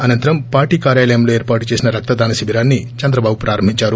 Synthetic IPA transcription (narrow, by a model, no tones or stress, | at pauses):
ɐnɐnt̪ɐɾɐmpaːɾʈiːkaːɾjaːlɐjɐmlo̞ːeːɾpaːʈut͡ʃe̞ːsinɐɾɐk̚t̪ɐd̪aːnɐsibʱiɾaːnːit͡ʃɐnd̪ɾɐbaːbupɾaːɾɐmbʱiɲt͡ʃaːɾu